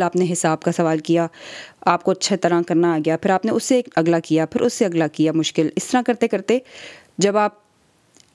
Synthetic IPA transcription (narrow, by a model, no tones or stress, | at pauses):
aːpneɦɪsaːbkasɐʋaːlkijaːaːp̚koɐtːʃʰet̪ɐɾãkɐɾnaɡɐjapʰɪɾaːpneʊsːeɐɡlakijapʰɪɾʔʊsːeɐɡlakijamʊʃkɪlɪst̪ɐɾãkɐɾt̪ekɐɾt̪e | d͡ʒɐbaːp̚